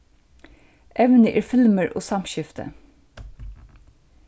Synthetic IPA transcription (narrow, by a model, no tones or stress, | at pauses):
ʔɛʋnəʔeːɹfɪlməɹʔo̰ːsɑmʃɪft̪ʰə̰